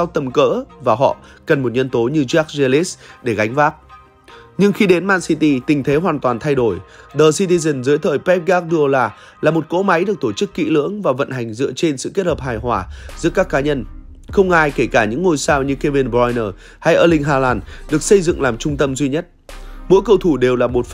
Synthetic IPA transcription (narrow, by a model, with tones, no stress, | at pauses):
a˧wt̪ə˨˩mkə̰ː˧˥vaː˨˩ɦɔ̰˧˨kə˨˩nmo˨˩t̚ɲə˧nt̪o˨˦ɲɨ˧zaː˦˥k̚ze˧li˦˥sɗe˧˩ɣa˨˦ŋ̟vaː˦˥k̚ | ɲɨ˧ŋxi˧ɗe˨˦nmaː˧nsi˧t̪i˧t̪ï̟˨˩t̪ʰe˨˦ɦwaː˨˩nt̪waː˨˩nt̪ʰa˧jɗo˧˩jɗəː˨˩si˧t̪i˧zə˨˩nzɨː˨˦jt̪ʰəː˨˩jpɛ˦˥p̚ɣaː˦˥k̚ɗɨ˧əlaː˨˩ | laː˨˩mo˨˩t̚ko̰˧˥ma˨˦jɗɨ˨˩ək̚t̪o˧˩t͡ɕɨ˦˥kːḭ˧˥lɨ̰˧˥əŋvaː˨˩və̰˧˨nɦa˨˩jŋ̟zɨ̰˧˨ət͡ɕe˧nsɨ̰˧˨ke˦˥t̚həː˨˩p̚haː˨˩jɦwaː˧˩zɨ̰˧˥əkaː˦˥kːaː˨˦ɲə˧n | xə˧wŋ͡mʔaː˧jke˧˩kaː˧˩ɲɨ̰˧˥ŋːo˧jsaː˧wɲɨ˧ke˧vi˧nbjnəː˧˩ | ha˧jʔəː˧˩lï˧ŋ̟ɦaː˧laː˧nɗɨ˨˩ək̚sə˧jzɨ̰˧˨ŋlaː˨˩mt͡ɕʊ˧ŋ͡mt̪ə˧mzwi˧ɲə˦˥t̚mṵ˧˥kə˧wt̪ʰu˧˩ɗe˨˩wlaː˨˩mo˨˩t̚